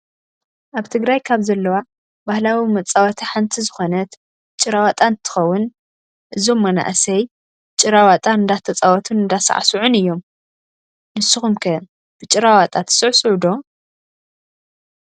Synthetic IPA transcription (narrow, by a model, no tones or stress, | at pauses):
ʔaβt̪ʰɨɡɾajkʰaβzɐlːɐwa | bahlawimɐt͡sʼːawɐt̪ʰiħant̪ʰizɨxo̞nɐt̪ | t͡ʃʼːɨɾawat̪ʼant̪ʰɨ̥xɐwːʊn | ʔɨzo̞mːɐna̰ʔsɐj | t͡ʃʼɨɾawat̪ʼaɨnd̪at̪ʰɐt͡sʼawɔt̪ʰunɨnd̪asa̰ʕa̰suʕʊnɨjːo̞m | nɨsɨxumkʰɐ | b̥ɨt͡ʃʼɨɾawat̪ʼat̪ʰɨ̥sɨʕsʼɨʕud̪o̞